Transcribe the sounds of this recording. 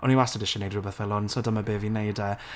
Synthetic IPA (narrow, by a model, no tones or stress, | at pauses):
ɔniwastədɪʃɔnejdrʊbəθɛlˠɔntʰɔdamabeːvinejdɛ